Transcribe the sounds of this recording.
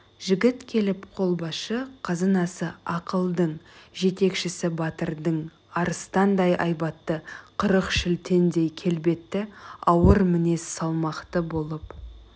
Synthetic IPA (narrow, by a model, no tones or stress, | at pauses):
ʒɪɡʲɪt̪kʲʰe̞lɪpqʰo̞lˠbɑʃəqʰɑzɑnɑsəɑqəlˠd̪əɴʒe̞t̪e̞kʃɪsɪbɑt̪əɾd̪əɴ | ɑɾəst̪ɑnd̪ɑjʔɑjbɑt̪ːəqʰəɾəqʃɪlt̪ʰe̞nd̪e̞jkʲʰe̞lbe̞t̪ːɪɑwəɾmɪne̞ssɑlˠmɑqt̪əbo̞lˠəp